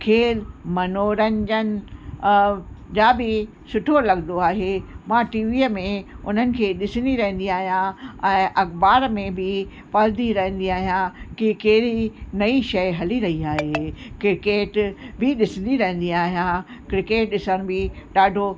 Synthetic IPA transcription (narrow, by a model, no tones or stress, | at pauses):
kʰeːlmɐnoːɾə̃ɲd͡ʑənɪ | d͡ʑaːbɪ | sʊʈʰolɐɠnd̪oaːɦemãʈiːʋiːəmẽʊn̤ənɪ̆kʰeːɗɪsəniɾɐɦə̃n̆d̪iaːɦijãɛ̃ːʔɐxbaːɾmẽbʱɪ | paːld̪iɾɐɦə̃n̆d̪iaːɦijãkikeːɾinɐiʃɐɪɦɐliɾɐɦiaːɦekɾɪkeːʈbɪɗɪsə̃n̆d̪iɾɐɦə̃n̆d̪iaːɦijãkɾɪkeːʈ̚ɗɪsəñbʱɪɗaːɖʱo